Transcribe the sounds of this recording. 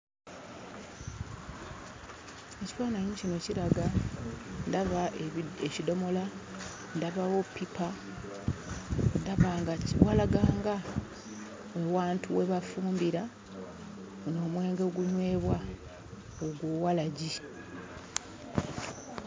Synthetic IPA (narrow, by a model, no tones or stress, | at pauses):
ecipaːnaɲicino̞cilaɡa | ndaβaecido̞mo̞la | ndaβawopːipʰa | ndaβaŋɡawalaɡaːŋɡa | ewaːntʰuwe̞βafuːmbiɾa | uno̞ːmwe̞ːŋɡe̞ɡuɲwe̞ːβwa | oɡwoːwalaɟi